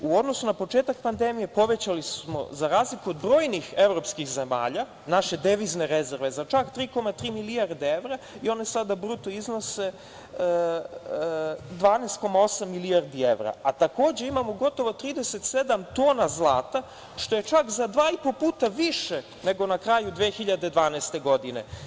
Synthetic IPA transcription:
uo̞d̪no̞sunapo̞t͡ʃe̞ːt̪ak̚pand̪e̞mije̞po̞ʋe̞t͡ɕalismo̞̰zaɾaːzlikuod̪bɾo̞ːjnixe̞ʋɾo̞pskixze̞ma̰ːʎa | naʃe̞d̪e̞ʋizne̞ɾe̞zeɾʋe̞zat͡ʃakt̪ɾiːko̞mat̪ɾiːmiliaɾd̪ee̞ʋɾa | io̞ne̞sad̪abɾut̪o̞izno̞se̞ | d̪ʋaːneːst̪̚ko̞mao̞samːiliaɾd̪ie̞̰ʋɾa̰at̪ako̞ːd͡ʑe̞imamo̞ɡo̞t̪o̞ʋot̪ɾiːd̪ese̞t̪se̞d̪amt̪o̞ːnazlˠaːt̪a | ʃt̪o̞jet͡ʃakzad̪ʋaːipo̞puːt̪aʋiʃe | ne̞ɡo̞nakɾajud̪ʋeːxiʎad̪e̞d̪ʋaːneːst̪e̞ɡo̞d̪ine̞̰

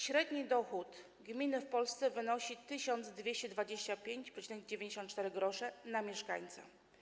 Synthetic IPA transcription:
ɕɾɛd̪ɲid̪ɔxut̪ | ɡmʲinɘfpɔlst̪sɛvɘnɔɕit̪ɘɕɔnd̪zd̪vʲjeɕt͡ɕɛd̪vad͡ʑeɕt͡ɕapʲjeɲt͡ɕpʂɛt͡ɕinɛɡ̚d͡ʑevʲjeɲd͡ʑeɕ̬ɔnt̪̚t͡ʂt̪ɛɾɘɡɾɔʂɛnamʲjɛʂka̰ɲt̪sa̰

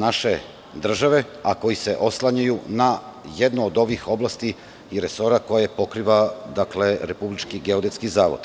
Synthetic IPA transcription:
naʃe̞ | d̪r̩ʒaʋe̞ | ako̞jise̞ʔo̞slˠaɲajunajed̪noːd̪o̞ʋixo̞blast̪i | iɾe̞so̞ɾako̞jepo̞kɾiʋad̪akle̞ɾe̞publit͡ʃkiɡe̞od̪et̪skizaːʋo̰d̪̥

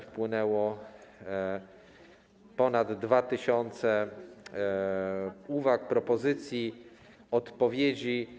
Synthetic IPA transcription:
fpwɘnɛwɔ | pɔnad̪ːvat̪ɘɕɔnt̪sɛ | uvak̚pɾɔpɔzɘt̪sʲji | ɔt̪pɔvʲjed͡ʑi

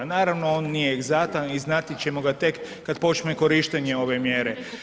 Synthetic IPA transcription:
naːɾaʋno̞oːnːijeːɡzat̪aniznat̪it͡ɕe̞mo̞ɡat̪e̞kː | ad̪po̞t͡ʃneko̞ɾiʃt̪eɲe̞o̞ʋe̞mjeːɾe

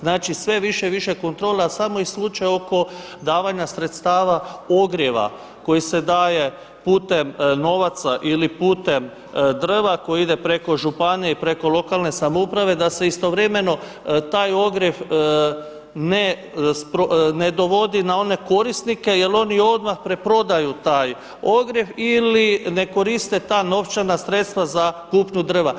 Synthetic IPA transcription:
znaːt͡ʃisʋe̞ʋiʃe̞ʋiʃe̞ko̞nt̪ɾo̞ːlˠeasamo̞islut͡ʃajo̞ko̞d̪aːʋaɲasɾe̞t̪st̪aːʋao̞ɡɾjeʋa̰ | ko̞jise̞d̪aːje | puːt̪e̞mno̞ʋat̪saʔilipuːt̪e̞m | d̪ɾʋako̞jiid̪e̞pɾe̞ko̞ʒupaneipɾe̞ko̞lˠo̞kalne̞samoupɾaʋe̞d̪ase̞ist̪o̞ʋɾe̞me̞no̞ | t̪aːjo̞ɡɾjef | ne | spɾone̞d̪o̞ʋo̞d̪inao̞ne̞ko̞ɾist̪nike̞je̞lo̞nio̞d̪maxpɾe̞pɾo̞d̪ajut̪aːj | o̞ɡɾje̞filine̞ko̞ɾist̪e̞t̪aːno̞ʋt͡ʃanasɾe̞t̪st̪ʋazakuːpɲud̪r̩ʋa

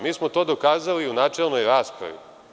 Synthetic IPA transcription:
miːsmot̪o̞ːd̪okaːzaliunaːt͡ʂelno̞jɾaːspɾa̰ʋḭ

